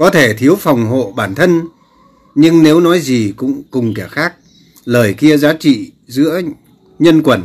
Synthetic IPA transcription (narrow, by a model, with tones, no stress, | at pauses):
kɔ˨˦t̪ʰe˧˩t̪ʰi˨˦əwfa˨˩wŋ͡mɦo̰˧˨ɓaː˧˩nt̪ʰə˧n | ɲɨ˧ŋne˨˦wnɔ˨˦jzi˨˩kʊ̰˧˥ŋ͡mkʊ˨˩ŋ͡mkɛ˧˩xaː˦˥k̚ | ləː˨˩jki˧əzaː˨˦t͡ɕḭ˧˨ | zɨ̰˧˥ə | ɲə˧nkwə˧˩n